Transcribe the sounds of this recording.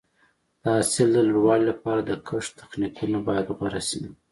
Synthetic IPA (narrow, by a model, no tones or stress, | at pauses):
d̪̥əasɪld̪əluɽwɑlilapɑɾad̪əkʰəʂt̪ḁxnikʰunabɑjad̪ɣwaɾasi